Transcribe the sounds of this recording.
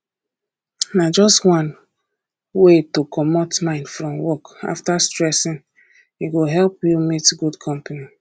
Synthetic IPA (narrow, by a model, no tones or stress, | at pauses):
nad͡ʒɔstwãn | wetokɔmotmãɪ̃ndfɹɔ̃mwɔka̰ftastɹɛsĩn | iɡoɦɛlpjumitɡudkʰɔ̃mpani